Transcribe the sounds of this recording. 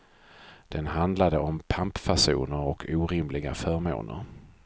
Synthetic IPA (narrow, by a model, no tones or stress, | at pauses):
d̪̥ɛnɦand̪lad̪əɔmpʰampfaʂṵːnəɾɔkʰuːɾɪmlɪɡa̰fœːɾmo̰ːnə̰ɾ